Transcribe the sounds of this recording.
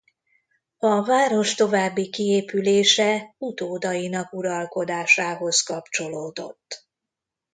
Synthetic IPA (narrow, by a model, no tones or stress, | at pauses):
ɒvaːɾo̞ʃt̪o̞vaːbːikieːpyleːʃɛut̪oːd̪ɒjinɒkuɾɒlko̞d̪aːʃaːɦo̞skɒpt͡ʃo̞loːd̪o̞̰t̪ː